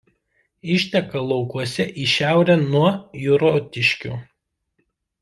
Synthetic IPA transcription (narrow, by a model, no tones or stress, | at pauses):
ɪʃʲt̪ʲɛkɐlˠɒʊkuɔsʲɛʔiʃʲæˑʊɾʲɛnuɔjʊɾoːt̪ʲɪʃʲkʲṵː